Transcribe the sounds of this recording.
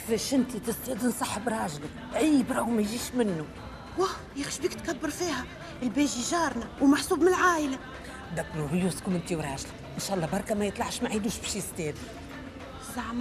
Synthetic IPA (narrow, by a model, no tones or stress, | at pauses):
fɛʃɪnt̪it̪ɪst̪ɛːd̪insˤɑħːəbɾˤɑːʒlɪk | ʔæjːbɾɑwmæjʒiːʃmɪnːu | wæ | jɪxʃbiːkt̪kɑbːəɾˤfiːhæ | ɪlbɛːʒiʒɑːɾˤnawmaħsuːbmɪnlʕaːjla | d̪æbɾubjuskʊmɪnt̪iwɾˤɑːʒlɪkʔɪnʃæːʔlˤːɑːbɑɾˤkɑmæjət̪ˤlɑʕʃmaʕid̪uːʃbɛʃjɪst̪ɛːd̪i | zaʕm